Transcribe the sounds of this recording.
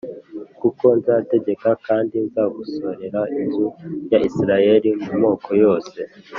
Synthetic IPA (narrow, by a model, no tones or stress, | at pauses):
kuko̞nzaːte̞ɟe̞kakaːndinzaːɡuso̞ɾe̞ɾainzujaʔisiɾaje̞ɾimumo̞ːkʰo̞jo̞ːse̞